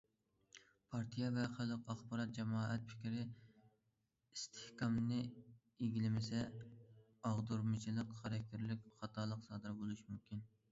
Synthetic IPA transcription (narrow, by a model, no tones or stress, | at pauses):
pʰɑɾt̪ʰijɛvɛχælˠɨqɑχbɑɾɑt̪̚d͡ʒɛmɑːɛt̪̚pʰɪ̥kʲɾɪ | ist̪ʰɪ̥hkʰɑmnɨ | eɡʲilɪmɪsɛ | ɑʁd̪uɾmɨt͡ʃʰilˠəqχæɾɛkʲʰːɪɾlɪkʲχɑt̪ʰɑːlˠəqsɑːd̪ɨɾbolˠuʃmumkʲʰin